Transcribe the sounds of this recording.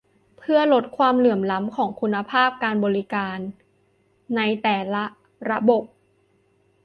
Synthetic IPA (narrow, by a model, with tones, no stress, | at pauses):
pʰɯ˥˩ɐlo˦˥t̪̚kʰwaː˧mlɯ˨˩əmla˦˥mkʰɔː˩˦ŋkʰu˧nːa˧pʰaː˥˩p̚kaː˧nbɔː˧ɾi˦˥kaː˧nː | a˧jt̪ɛː˨˩˦la˦˥ | ɾa˧˦˥bo˨˩p̚